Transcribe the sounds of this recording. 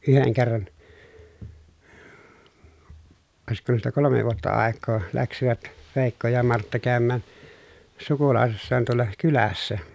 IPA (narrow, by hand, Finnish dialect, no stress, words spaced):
yheŋ kerːɑn oˑesikːoːn tuostɑ kolome ʋuotːɑ ɑˑekˑoː læksiʋæt ʋeˑikːo jɑ mɑrtːɑ kæˑømːæˑn sukulɑˑesisːɑːn tuolˑɑ kylæsːæ